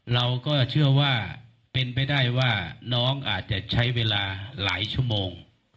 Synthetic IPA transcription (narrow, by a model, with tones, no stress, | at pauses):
ɾa˧wkɔː˥˩t͡ɕʰɯ˥˩ɐwaː˥˩ | pe˧npa˧jdaː˥˩jwaː˥˩nɔː˦˥ŋʔaː˨˩t̪̚t͡ɕa˧˩t͡ɕʰa˦˥jweː˧laː˧la̰ː˩˦jt͡ɕʰu˥˩əmoː˧ŋ